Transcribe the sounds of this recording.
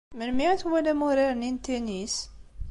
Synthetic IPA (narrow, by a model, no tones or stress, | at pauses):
məlmit̪wælæmuɾiɾnint̪enis